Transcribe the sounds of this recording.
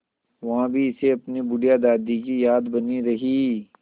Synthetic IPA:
ʋɐɦãbʱiɪseɐpnibʊɖijad̪aːd̪ikijaːd̪bɐniɾɐɦiː

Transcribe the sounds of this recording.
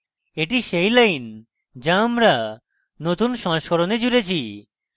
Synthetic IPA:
eʈiʃejlajn | d͡ʑaːmɾa | not̪unʃɔ̃ŋʃkoɾoned͡ʑuɾet͡ɕʰi

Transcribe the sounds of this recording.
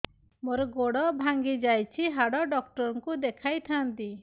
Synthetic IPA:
moɾɔɡoɽɔbʱaŋɡid͡ʒajt͡ʃʰiɦaɽɔɖɔkʈɔɾɔŋkud̪ekʰajt̪ʰant̪i

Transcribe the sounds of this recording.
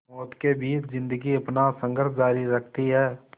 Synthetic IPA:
mɔːt̪kebiːt͡ʃzɪ̃nd̪əɡiɐpnasə̃ŋɡəɾsd͡ʒaːɾiɾəkʰt̪iɦɛː

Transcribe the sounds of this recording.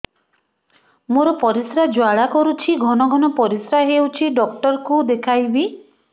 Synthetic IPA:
moɾɔpɔɾisɾad͡ʒwaɽakɔɾut͡ʃʰiɡʱɔnɔɡʱɔnɔpɔɾisɾaɦewt͡ʃʰiɖɔk̚ʈɔɾɔkud̪ekʰajbi

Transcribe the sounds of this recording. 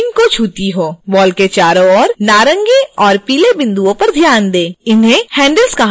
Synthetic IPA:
ŋkot͡ʃʰuːt̪iɦoːbɔːlket͡ʃaːɾoɔːɾnaːɾə̃ŋɡiɔːɾpiːlebɪ̃nd̪uõpɐɾd̪ʱjaːnd̪eːɪnɦẽhɛ̃ːɳɖəlskɐɦ

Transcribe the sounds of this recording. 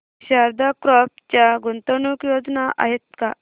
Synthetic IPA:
ɕaɾd̪akɾɔp̚t͡ɕjaɡunt̪ənukjod͡znaʔʔa̰ɦet̪̚ka

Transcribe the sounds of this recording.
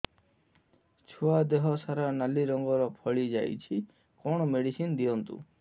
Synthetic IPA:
t͡ʃʰuad̪eɦɔsaɾanaliɾɔŋɡɔɾɔpʰɔɭid͡ʒa̰jt͡ʃʰi | kɔɳ̃ɔmeɽisind̪iɔnt̪ṵ

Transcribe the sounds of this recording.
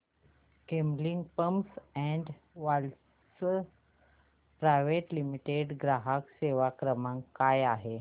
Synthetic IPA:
kembliŋɡpəmsɛ̃ɳɖ | ʋal | sə | pɾajʋeʈlimiʈeɖɡɾaɦakseʋakɾəmãŋkajaɦe

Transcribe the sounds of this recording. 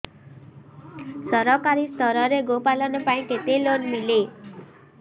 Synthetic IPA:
sɔɾɔkaɾist̪ʰɔɾɔɾeɡopalɔnɔpaĩket̪elonmile

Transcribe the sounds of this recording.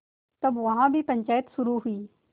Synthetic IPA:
t̪ɐbʋɐɦãːbʱiːpə̃ɲʲt͡ʃaːjət̪sʊɾuːɦʊiː

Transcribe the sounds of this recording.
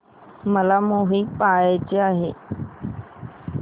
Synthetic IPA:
məlaːmũːɦiːpaːet͡ʃeaːɦeː

